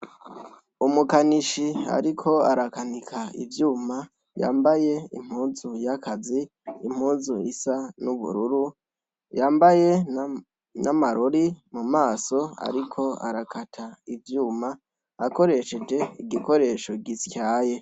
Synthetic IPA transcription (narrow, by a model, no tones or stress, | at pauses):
umukaniʃia̰ɾikʰo̞aɾakanikʰaḭvjuːma | ja̰ːmbaje̞ḭm̥huːzujakʰaziː | m̥huːzuisanuβṵɾuɾu | jaːmbaje̞ | namaɾoɾimumaːso̞a̰ɾikʰo̞a̰ɾakʰatʰaivjuːma | ako̞ɾe̞ʃe̞d͡ʒe̞iɡiko̞ɾe̞ʃo̞ɡiscaːje̞